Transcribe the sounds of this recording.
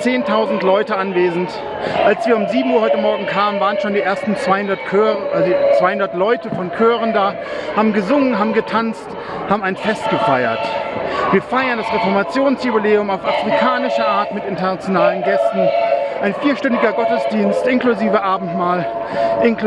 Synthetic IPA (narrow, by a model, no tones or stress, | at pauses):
t͡seːntʰaʊzn̩tlɔʏtəʔanveːzn̩t | ʔalsv̥iːɐʊmziːbm̩uɐɦɔʏtəmɔɐɡŋ̩kʰaːmənvaːʁənʃoːndiːʔeːɐstn̩t͡sv̥aɪhʊndɐtkʰøːt͡sv̥aɪhʊndɐtlɔʏtəfɔnkʰøːʁəndaː | haːbm̩ɡəzʊŋənɦaːbm̩ɡətʰant͡st | haːbm̩aɪnfɛst̚ɡ̥əfaɪɐtv̥iːɐfaɪɐndasʁefɔɐmat͡sjoːnsjʊbileːʊmaʊfʔafʁ̥ikʰaːnɪʃɐʔaːɐtmɪtʔɪntɐnat͡sjonaːlənɡɛstn̩ʔaɪnfiːɐʃtɛndɪɡɐɡɔtəsd̥iːnstʔɪnkluziːvəʔaːbm̩tmaːl | ʔɪn